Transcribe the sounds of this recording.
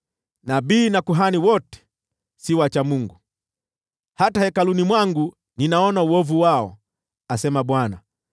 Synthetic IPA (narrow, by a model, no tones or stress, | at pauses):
nabiːnakuɦaniwɔtɛ̥ | siwat͡ʃamuŋɡu | hatahɛkalunimwaŋɡu | ninaɔnauɔvuwaɔ | asɛmaɓwana